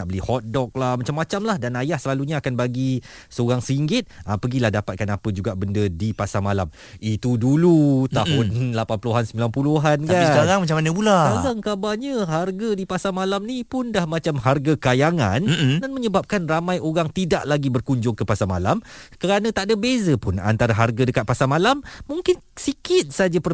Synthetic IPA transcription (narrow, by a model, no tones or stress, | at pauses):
aʔbəlihɔt̪̚dɔk̚lahmat͡ʃamːat͡ʃamlahdanajahsəlaluɲaːkanbaɡi | səoɾaŋsəiŋɡɪt̪̚apəɡilahdapat̪̚kanapəd͡ʒuɡaʔbəndədipasamalam | it̪udulut̪aɦʊnlapanpuluɦansəmbilanpuluɦankaiskaɾaŋmat͡ʃamanəbulaaɡaŋkabaɲə̃ɦarɡadipasamalamnipʊndahmãt͡ʃamɦarɡakajaŋã̰ndanməɲəbap̚kanramãjoɾaŋt̪idaʔlaɡibərkuɲd͡ʒʊŋkəpasama̰lamkəɾanə̃t̪aʔdabezəpʊna̰nt̪aɾaɦarɡadəkat̪̚pasamalamːuŋkɪnsikɪt̪̚sad͡ʒapə